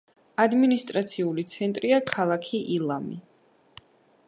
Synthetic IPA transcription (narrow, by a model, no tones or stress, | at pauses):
ad̪minist̪ʼɾat̪sʰiulit̪sʰɛnt̪ʼɾiakʰalˠakʰiʔilˠami